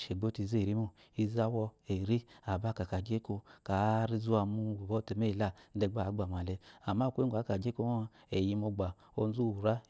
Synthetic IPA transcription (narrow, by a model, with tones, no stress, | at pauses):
ʃe˨ɡ͡bo˦ti˧˨ze˦˨ɾi˦mo˦˨ | i˧za˦wɔ˧e˨ɾi˦a˨ba˦˨ka˨ka˨d͡ʒe˦ko˧ka˨˦ɾi˧zu˦a˧mu˦˨bɔ˦te˧me˦˨la˦˨˦dɛ˧ɡ͡bɡ͡ba˨m˨a˨le˧a˨ma˦˨ke˦˨a˨˦ka˨d͡ʒe˦ko˦˧ | e˨ji˧mo˧ɡ͡ba˨ | o˧n˦zu˦˨ɾa˦